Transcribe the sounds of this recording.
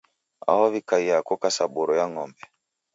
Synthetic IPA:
a̰hɔβikaiakɔkasaɓuɾɔjaŋɔmbɛ

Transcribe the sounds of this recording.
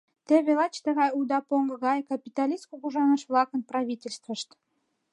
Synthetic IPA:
t̪eβelɑt͡ɕt̪əɣɑjud̪ɑpoŋɡɤɣɑjkɑpʲit̪ɑlʲiskuɣuʒɑnəʃvlɑkənprɑβʲitʲelʲst̪vəʃt̪

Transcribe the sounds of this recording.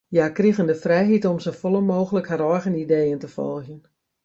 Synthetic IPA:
jakriɣəndəfrɛjɦitɔmsofolˠənmoːɣələkhaɾɔjɣənideːəntəfɔ̰lˠxjən

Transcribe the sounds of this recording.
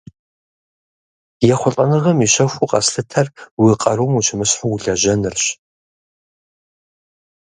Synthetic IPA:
jɛχʷʊɬʼɐnɨʁɐmiʃɐxʷuqʼɐ̰sɬɨtʰɐrwiqʼɐɾomut͡ʃʰɪmɨɕħuɮɐʒɐnɨrɕ

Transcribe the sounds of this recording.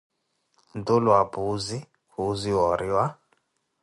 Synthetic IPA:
ndulwabuzi | buziwɔɾiwa

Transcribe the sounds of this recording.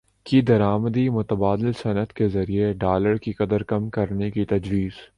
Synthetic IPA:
kid̪ɐɾaːməd̪imʊt̪əbaːd̪ɪlsɐnət̪kezɐɾieɖaːləɾkikɐd̪əɾkɐmkɐɾnekit̪ɐd͡ʒwiːz̥

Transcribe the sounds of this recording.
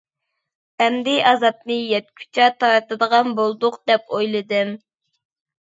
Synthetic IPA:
ɛnd̪ɪʔɑzɑp̪nɨjɛt̪̚kʲʰy̥t͡ʃʰɛt̪ʰɑɾɨt̪ɨd̪əʁɑnbolˠd̪ʊqd̪̥ɛpojlˠɨd̪ɨm

